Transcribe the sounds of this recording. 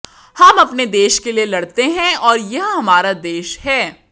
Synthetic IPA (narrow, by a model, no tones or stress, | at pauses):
hɐmɐpned̪eːʃkelielɐɽt̪eɦɛ̃ɔːɾjɐɦɦɐmaːɾad̪eːʃhɛː